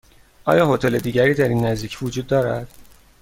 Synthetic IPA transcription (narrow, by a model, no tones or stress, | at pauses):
ʔɒ̰ːjɒːhot̪ʰele̞d̪iːɟæɾiːd̪æɾiːnːæzd̪iːcʰvod͡ʒuːd̪̚ːɒːɾæ̰d̪̥